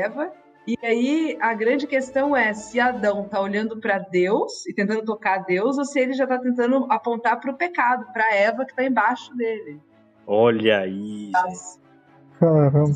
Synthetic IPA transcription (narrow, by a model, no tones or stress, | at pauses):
ɛvɐ | ɪaiɐɡɾɐ̃nd͡ʒɪkest̪ɐ̃w̃ɛsɪad̪ɐ̃w̃t̪aoʎɐ̃nd̪ʊpɾɐd̪ewsɪt̪ẽnt̪ɐ̃nd̪ʊt̪okaɾd̪ewzosɪelɪʒat̪at̪ẽnt̪̬ɐ̃nd̪ʊʔapõnt̪aɾpɾʊpekad̪ʊpɾɐɛvɐkɪ̥t̪aẽbaʃʊd̪elɪ | ɔʎɐi | kaɾɐ̃b